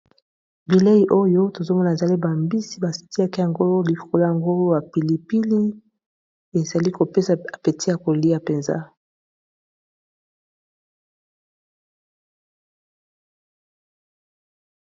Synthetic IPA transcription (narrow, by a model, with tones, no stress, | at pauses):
bi˨le˦i˨ʔo˦jo˦to˨zo˦mɔ˦na˨e˨za˨li˦ba˨mbi˦si˦ba˨si̥˨ti˦a˦ki˦ja˨ŋɡo˦li˨ko˨lo˦ja˨ŋɡo˦ja˨pi˨li˨pi˦li˦ | e˨za˨li˦ko˨pe˦sa˨a˨pe˨ti˦ja˨ko˨li˦ja˨pe˨nza̰˦